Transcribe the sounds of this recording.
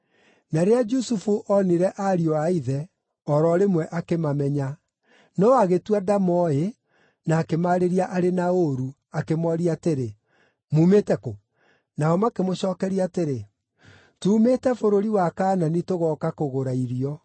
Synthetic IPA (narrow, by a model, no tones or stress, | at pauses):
naɾead͡ʒusufuʔɔniɾɛʔaɾiɔaiðɛ | ɔɾɔɾemwɛʔakemamɛɲa | nɔaɣetwadamɔe | naːkemaɾeɾiaʔaɾenaoɾu | akemɔɾiateɾe | muːmeːtɛko | naɔmakemoɕɔːkɛɾiaːteɾe | tuːmetɛfoɾoɾiwakaːnanitoɣɔkakoɣoɾaiɾiɔ